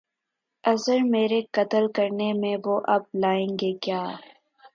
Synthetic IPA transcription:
ɐzəɾmeːɾekɐt̪əlkɐɾnemẽʋoːʔɐb̚laːẽːŋɡekjaː

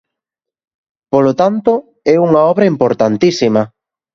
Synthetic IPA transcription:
polot̪ant̪o | ɛuŋɐɔβɾɐimpoɾt̪ant̪isimɐ

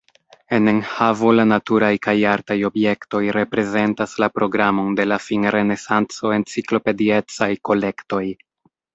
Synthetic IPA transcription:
e̞ne̞nhavo̞lanatuɾajkajaɾtajo̞bje̞kto̞jɾe̞pɾe̞ze̞ntaslapɾo̞ɡɾamo̞nde̞lafinɾe̞ne̞sant͡so̞e̞nt͡siklo̞pe̞die̞t͡sajko̞le̞kto̞j

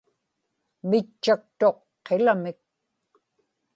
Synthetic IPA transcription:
mɪt͡ʃːak̚t̪o̞qː | elamɪk̚

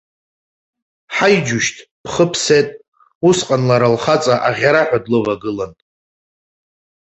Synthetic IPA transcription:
ħajd͡ʒʊʃtʰpʰχəpʰse̞tʼ | usqʼanlaɾalχat͡sʼaʔaʁʲaɾaħʷᶣadlɨvaɡɨlantʼ

